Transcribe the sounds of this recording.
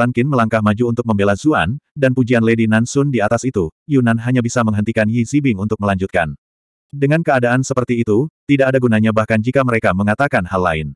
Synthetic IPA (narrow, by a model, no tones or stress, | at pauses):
aŋkɪnməlaŋkahmad͡ʒuːnt̪ʊk̚məmbelazua̰ndanpud͡ʒianledinansʊndiat̪asit̪ujunanɦaɲabisaməŋɦənt̪ikanjizibɪŋunt̪ʊk̚məlaɲd͡ʒut̪̚ka̰n | dəŋankəadaʔːnsəpərt̪iːt̪ut̪idaʔadaɡunaɲabahkand͡ʒikaməɾekaməŋat̪akanhalːa̰ɪn